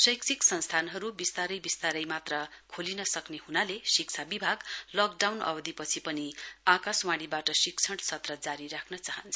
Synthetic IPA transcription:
sʌjksʰiksʌnst̪ʰanɦʌɾubist̪aɾʌjbist̪aɾʌjmat̪rʌkʰolinʌsʌknehunalesik̚t͡sʰabibʱaɡlʌkɖawnʌ̰bʌd̪ʱipʌt͡sʰipʌniakaswãɽ̃ibaʈʌsikt͡sʰʌɽsʰʌt̪rʌd͡zaɾiɾakʰnʌt͡saɦʌnt͡sʰʌ

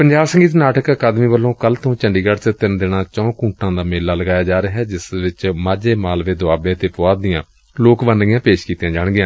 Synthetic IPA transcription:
pəɲd͡ʒaːbsə̃ŋɡiːt̪naːʈəkəkaːd̪miːbəlːõːkəlt̪ʰõːt͡ʃəɳɖiːɡəɽt͡ʃət̪ɪnd̪eːɽãːt͡ʃɔ̃ːkũːʈãːd̪aːmeːlːaːləɡaːjaːd͡ʒaːɾeaːɦɛːd͡ʒɪsʋɪt͡ʃmaːd͡ʒeːmaːlʋeːd̪ʊaːbẽːt̪eːpʊaːd̪ɪjãː | loːkʋənɡɪjãːpeːʃkiːt̪jãːd͡ʒaːɳ̃ɡɪjãː

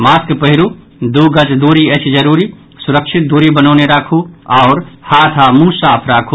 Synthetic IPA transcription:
maːskpəɦɪɾu | d̪uːɡət͡ʃd̪uːɾiət͡ʃʰd͡ʒəɾuːɾi | sʊɾəkʃɪt̪̚d̪uːɾibənoːneɾaːkʰuɔʊɾhaːt̪ʰamũːsaːpʰɾaːkʰu

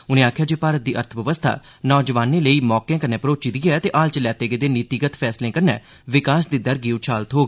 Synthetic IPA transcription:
ʊnẽːaːkʰjaːd͡ʒeːpaːɾət̪̚d̪iːʔə̰ɾt̪ʰʋəʋəst̪ʰa̰ː | nɔːd͡ʒəʋaːneːləiːmɔːkjãːkənɛːpəɾoːt͡ʃid̪ijɛːt̪eːʔaːlt͡ʃəlɛːt̪eːɡəd̪eːnɪt̪iɡət̪pʰɛːslẽːkənɛ̰ː | ʋɪkaːsd̪iːd̪əɾɡiːut͡ʃʰaːlt̪ɦoːɡ

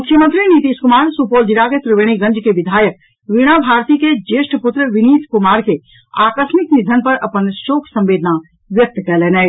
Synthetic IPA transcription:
mʊkʰːjəmə̃nt̪ɾinit̪iːskʊmaːɾsupoːld͡ʒiɾaket̪ɾɪʋeɽ̃iɡɐ̃ɲd͡ʒkeʋɪd̪ʱaːjək̚ | ʋɪɽ̃abʱaːɾt̪iked͡ʒeːʃʈpʊt̪ɾəʋɪniːskʊmaːɾke | aːkəʃmɪknɪd̪ʱənpɐɾɐpənʃoːkʰsɐ̃mʋeːd̪ʱna | ʋjək̚t̪kɛleːnɛe

